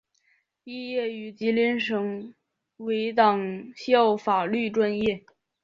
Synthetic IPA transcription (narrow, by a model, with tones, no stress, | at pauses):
i˥˧jɛ˥˩y˨˩t͡ɕi˧˥li˧˥nʂɤ˧˥ŋ | we˧˥ɪt̪ɑ˨˩ŋɕi˥o˥˩ʊfa˨˩ly˥˧ʈ͡ʂwa˥˧njɛ˥˩